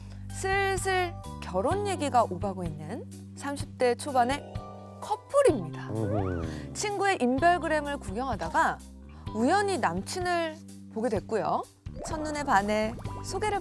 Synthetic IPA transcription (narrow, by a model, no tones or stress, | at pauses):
sʰɯɭsʰɯɭkjʌɾonje̞ɡiɡaʔobaɡoinːɯn | sʰamɕʰip̚t͈e̞t͡ɕʰobane̞ | kʰʌpʰuɾimɲida | t͡ɕʰinɡue̞ʔimbjʌɭɡɯɾe̞mɯɭkuɡjʌŋɦadaɡa | ujʌɲinamt͡ɕʰinɯɭ | poɡe̞dwe̞t̚k͈ujo̰ | t͡ɕʰʌnːune̞pane̞sʰoɡe̞ɾɯ